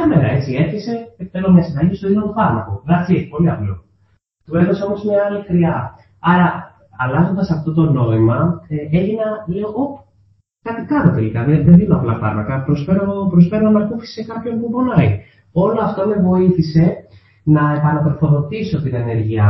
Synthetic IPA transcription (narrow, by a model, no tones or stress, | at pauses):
ɐme̞ɾɐe̞t͡sie̞ɾçese̞ekt̪elomɲɐsid̪ɐɟist̪oðinot̪ufɐɾmɐkolɐt͡sipo̞liɐplo̰ | t̪ue̞ðoseo̞mo̞zmɲɐɐlixɾiɐ | ɐɾɐ | ɐlɐzo̞nd̪ɐsɐft̪ot̪o̞no̞imɐeʝinɐleoʔo | kɐt̪ikɐno̞t̪e̞likɐðeðeðinoɐplɐfɐ̰ɾmɐkɐpɾosfeɾopɾosfeɾonɐmɐɾkufi̥sekɐpço̞npubonɐi | o̞lo̞ɐft̪o̞me̞vo̞iθise̞ | nɐepɐnɐt̪ɾofo̞ðo̞t̪isot̪inene̞ɾʝiɐ